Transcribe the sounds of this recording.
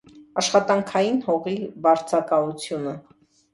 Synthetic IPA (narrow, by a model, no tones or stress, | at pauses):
ɑʃχɑt̪ɑŋkʰɑjinhɔʁibɑɾt͡sʰɑkɑut͡sʰjunə